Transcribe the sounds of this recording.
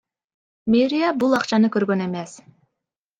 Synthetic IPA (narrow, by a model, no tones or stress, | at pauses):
meɾʲijabulˠɑqt͡ʃɑnɯkøɾɡønemes